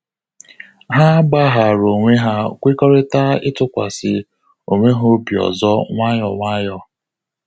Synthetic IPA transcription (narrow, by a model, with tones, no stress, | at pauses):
ɦa˦ba˦ɦa˨ɾo˨ŋʷe˦ɦa˦˨kʷe˦kɔ˦ɾɪ˦ta˦ɪ˦tʊ˦kʷa̰˨sɪ˨ | o˨ŋʷe˦ɦo˦bi˨ɔ̰˨zɔ˦ŋʷa˦jɔ̰˨ŋʷa˦jɔ˦